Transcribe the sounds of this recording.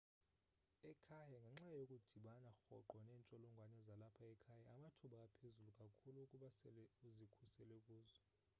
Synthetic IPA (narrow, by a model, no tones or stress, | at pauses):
ɛkʰajaŋɡʱaŋ͡ǁajokʼud̥ʱiɓanaxɔ̰ǃɔnɛːnt͡ʃʼɔlɔŋɡʱwanɛzalapʰaɛkʰajaamatʰuɓakʼapʰezulukʼakʰuluːkʼuɓasɛlɛuzikʰusɛlɛkʼuːzɔ